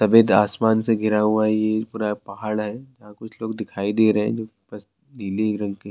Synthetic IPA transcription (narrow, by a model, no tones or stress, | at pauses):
sɐbeːd̪aːsmaːnseɡʱɪɾaɦuaɦɛjepuːɾapɐɦaːɭɦɛd͡ʒɐɦãkʊt͡ʃʰloːɡd̪ɪkʰaːid̪eːɾɐɦɛ̰̃d͡ʒoːbɐs | niːlikɾɐ̃ŋɡke